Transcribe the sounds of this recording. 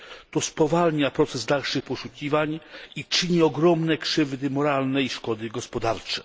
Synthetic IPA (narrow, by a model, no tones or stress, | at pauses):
t̪ɔspɔvalɲapɾɔt̪sɛzd̪alʂɘxpɔʂukʲivaɲit͡ʂɘɲiɔɡɾɔmnɛkʂɘvd̪ɘmɔɾalnɛjʂkɔd̪ɘɡɔspɔd̪aɾt͡ʂɛ̥